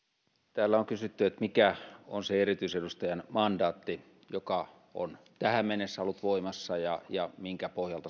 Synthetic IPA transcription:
t̪æːlːæoŋkysyt̪ːyet̪mikæonseerit̪yisedust̪ɑjɑnmɑndɑːt̪ːi | jokɑ | o̰n | t̪æhæmmenesːæolːut̪ʋoˑimɑsːɑjɑjɑmiŋkæpohjɑlt̪ɑ

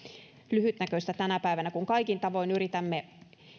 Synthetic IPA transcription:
lyhyt̪nækøst̪æt̪ænæpæiʋænækuŋkɑikint̪ɑʋoinyrit̪æmːe

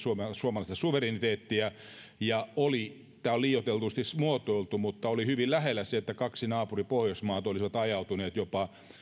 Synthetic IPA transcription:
sumsuomɑlɑˑist̪ɑsuʋerinit̪eːt̪ːiæ | jɑoli | t̪æːolliːjot̪elt̪ust̪ismuot̪oilt̪umut̪ːɑolihyʋillæɦelːæseet̪ːækɑksinɑːpuripohjosmɑːt̪olisiʋɑt̪ɑjɑut̪uneːt̪jopɑ

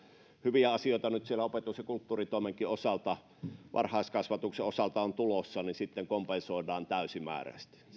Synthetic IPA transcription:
hyʋiæɑsioˑet̪ɑnyt̪sielæopet̪ˑusekult̪ːuːrit̪oˑemeŋkˑiosɑlt̪ɑ | ʋʔɑ̰rhɑˑeskɑsʋɑt̪ukseosɑlt̪ɑont̪ulosːɑnisit̪ːeŋkompensoˑedɑːnt̪æˑysimæ̰ːræ̰st̪i̥

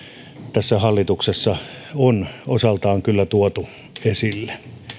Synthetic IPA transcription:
t̪æsːæhɑlːit̪uksesːɑ | onosɑlt̪ɑːŋkylːæt̪uot̪u | esilːe

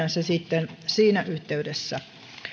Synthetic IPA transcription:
ænsesit̪ːensiːnæʔyht̪eydesːæ

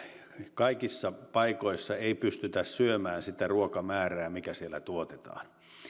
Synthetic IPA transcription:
kɑikisːɑpɑikoisːɑeipyst̪yt̪æssyømæːnsit̪æruokɑmæːræːmikæsielːˑæ̰t̪uot̪et̪ɑ̰ːn

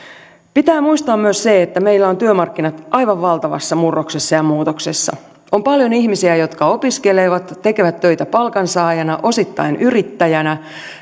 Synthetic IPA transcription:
pit̪æːmuist̪ɑːmmyøsseet̪ːæme̞ilːæo̞nt̪yømɑrkːinɑt̪ʔɑjʋɑʋːɑlt̪ɑʋɑ̰sːɑmurːoksesːɑjɑmuːt̪oksesːɑ̰ | ompɑljoniçmisiæjo̞t̪kɑo̞piskeleʋɑt̪t̪ːe̞keʋæt̪ːø̞jt̪æpɑlkɑnsɑːjɑnɑʔo̞sit̪ːɑ̰inyɾit̪ːæjænæ

